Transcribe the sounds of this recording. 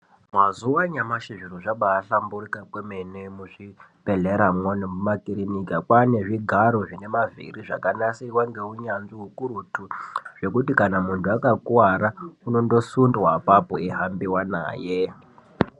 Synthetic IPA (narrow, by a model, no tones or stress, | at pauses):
mazuwaɲamaʃiʐiɾoʐaɓaːɬamburikakwemenemuʐipeɮeɾamwonemumakiɾinikakwane̞ʐiɡʱaɾoʐine̞mavḭriʐa̰kanasirwaŋɡe̞uɲanʐiɦukuɾutʰuʐ̥e̞kutikanamuntʰuakakwaɾauno̞ndo̞sundwapapoeɦambiwana̰ːje